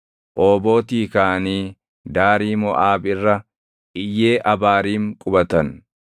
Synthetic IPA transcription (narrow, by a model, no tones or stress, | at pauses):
ʔoːbo̞ːt̪iːkaːniː | d̪aːɾiːmɔʔaːbɪrːɐ | ɪjːe̞ːʔɐbaːɾiːŋkʼʊbɐt̪ɐn